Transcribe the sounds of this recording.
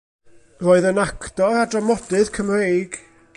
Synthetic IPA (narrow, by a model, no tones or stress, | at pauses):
roːɨðənakʰdɔɾadrɔmɔd̥ɨðkʰəmrejɡ̥